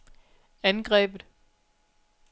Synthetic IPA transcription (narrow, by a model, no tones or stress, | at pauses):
ænɡ̥ʁɛ̰ːb̥ð̩ˠ